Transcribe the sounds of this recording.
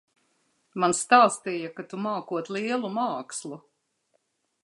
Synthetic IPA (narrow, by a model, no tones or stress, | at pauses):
manst̪aːst̪ijakat̪umaːkuɔt̪liɛlˠumaːkslˠu